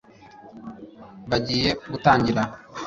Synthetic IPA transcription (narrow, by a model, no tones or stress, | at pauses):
baɟiːjebut̪aːɲɟiɾa